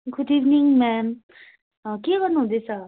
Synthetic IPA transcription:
ɡud̪iʋniŋmɛm | keɡʌɾnuɦũd̪esʰʌ

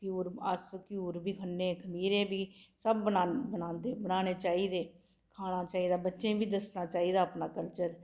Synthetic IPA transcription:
kjuːɾəskjuːɾbiːkʰənːẽːkʰəmiːɾẽːbiːsəbːənaːbənãːnd̪eːbənaːñeːt͡ʃaːiːd̪eː | kʰaːnaːt͡ʃaːiːd̪aːbətːʃẽːbʱiːd̪əsnaːt͡ʃaːiːd̪aːəpnaːkəlt͡ʃəɾ

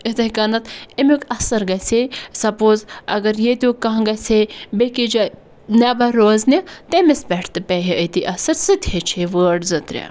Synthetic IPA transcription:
it̪ɐkɐnɐt̪imʲukʲɐsɐɾɡɐsesɐpoːzɐɡɐɾjet̪ʲukːɐɦɡɐsʲebekid͡ʒɐ | nʲɐbɐɾoːznʲit̪emesbʲɛʈʰt̪ɨpʲɛɦiət̪iʔɐsɐɾsɨt̪ʰʲhet͡ʃʰeʋəːɖzɨt̪ɾʲɐ̰

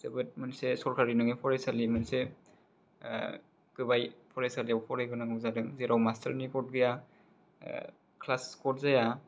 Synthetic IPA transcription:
sɯbɯt̚mɯnsesɔɾkʰaɾinɯŋepʰɔɾesalimɯnse | kɯbajpʰɔɾesaliawpʰɔɾajɡɯnaŋɯzadɯŋzeɾʔawmastʰɐɾnikɔt̚ɡɯja | kʰlaskɔt̚zaja

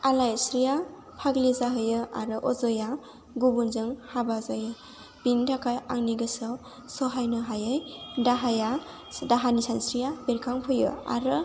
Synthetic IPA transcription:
alajsɾija | pʰaɡlizaɦɯjɯa̰ɾɯʔɔzɔja | ɡubunzɯŋhabazajɯ | b̥indakʰajaŋniɡɯsɯ | sɔɦajnɯɦajɯjdaɦaja | daɦanisansɾijabeɾkʰaŋpʰɯjɯ̰a̰ɾɯ

